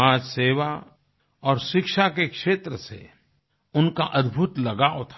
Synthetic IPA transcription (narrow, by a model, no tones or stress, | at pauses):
ãːd͡ʒseːʋa | ɔːɾʃɪkʃakekʃeːt̪ɾəsḛ | ʊnkaʔɐd̪bʱʊt̪lɐɡaːot̪ʰ